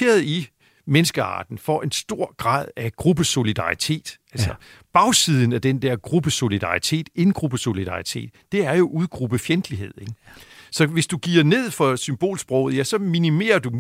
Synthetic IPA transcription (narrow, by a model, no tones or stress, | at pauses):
e̝̰ːɐð̩ˠi | menəsɡ̥əɑ̰̈ːd̥n̩fɒʔe̝nsd̥o̝ɐ̰ɡ̥ʁɑ̰̈ːð̞ˠæɡ̥ʁub̥əso̝lid̥ɑ̈ʁit͡sʰe̝̰ːd̥ælsɐb̥ɑ̈ʊsið̞ˠn̩æd̥end̥æɐ̰ɡ̥ʁub̥əso̝lid̥ɑ̈it͡sʰe̝̰ːd̥e̝nɡ̥ʁub̥əso̝lidɑ̈it͡sʰe̝̰ːd̥ːe̝æɐjo̝ʔuð̞ˠɡ̥ʁub̥əfjend̥liɦe̝ð̰ˠeɡ̥sɒ̽ʋe̝sd̥uɡ̥ḭːɐne̝ð̞̰ˠfɒ̽symb̥o̝̰ːlsb̥ʁɔʊð̩ˠjæsɒ̽minime̝̰ːɐd̥u